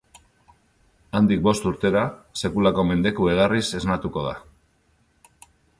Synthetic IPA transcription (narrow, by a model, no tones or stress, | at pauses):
and̪ik̚bo̞st̪uɾt̪e̞ɾase̞kulako̞me̞nd̪e̞kue̞ð̞arise̞znat̪uko̞ð̞a